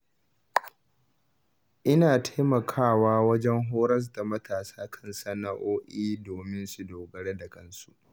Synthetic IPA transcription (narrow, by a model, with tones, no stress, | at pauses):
ʔɪ˦naː˨tʰa˦jmɐ˨kʰaː˦˨waː˦wɐ˦d͡ʒɛ˦ŋɦoː˦ɾɐ˦s̬da˨mɐ˦tʰaː˨saː˦kʰɐ˦˨nsɐ˦na˦ʔoː˦ʔiː˦doː˨mɪ˦nsu˨doː˨ɡɐ˨ɽe˦dɐ˨kʼɐ˦nsu˦ʔ